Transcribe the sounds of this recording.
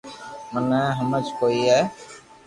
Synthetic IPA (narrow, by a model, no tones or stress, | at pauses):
mənɛɦəmət͡ʃkoːiɦɛː